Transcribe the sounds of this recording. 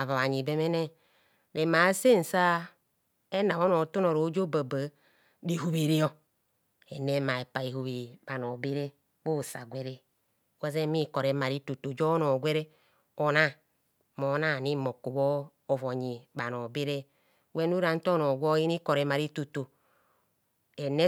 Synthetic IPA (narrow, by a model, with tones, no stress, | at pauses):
a˨va˨βa˨ɲi˨be˨me˦ne˦ | ɾe˨ma˨˦se˦˨n̩˨sa˦ | e˦na˨βo˦no˨to˦no˨ɾo˨˦d͡ʒo˦ba˨ba˨˦ | di˨ɦu˨βi˨ɾi˦o˦ | ḛ˨ne˦ma˨e˨pa˨i˨ɦu˨βi˨ba˨no˨bi˦ɾe˦ | bo˦˨sa̰˨ɡʷe˦ɾe˦ | wa˦ze˦mi˦˨ko˨ɾe˨˦ma˨ɾi˦to˨to˨d͡ʒo˦no˨ɡʷe˦ɾe˦ | o˨na˦˨ | mo˨˦na˦˨ni˦mo˨ku˨βoː˦˨ | vo˨ɲi˨ba˨no˨be˦ɾe˦ | we˦n˦u˦ɾa˨n̩˦to˦no˨ɡo˦i˦ni˦ko˨ɾe˨˦ma˨ɾi˦to˨to˨ | e˨ne˦